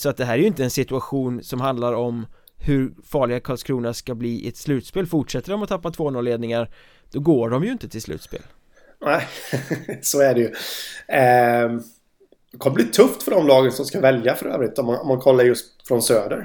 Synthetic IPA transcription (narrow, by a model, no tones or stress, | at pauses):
sɔat̪̚d̪ɛɦæːɾɛjɵɪnt̪əɛnsɪt̪ɵaɧuːnsɔmɦand̪laɾɔm | hɵɾfɑːɭɪɡakʰɑlskʰɾuːnaʂkabliːʔɛt̪slʉ̟ːt̪speːlfʊʈʂɛt̪ːəɖɔmɔt̪ʰapːat̪ʰv̥oːnɔːleːd̪nɪŋaɾ | d̪̥ɔɡoːɖɔmjɵɪnt̪ət̪ʰɪlslʉ̰ːt̪spḛːl | næ | sɔæɖɛjɵ | d̪ɛkʰɔmːəbliːt̪ʰɵft̪fœɖɔmlɑːɡənsɔmskavɛljafœɾø̰ːvɾɪt̪ːɔmanɔmːankʰɔlːaɾjɵst̪fɾɔnsøːd̪əɾ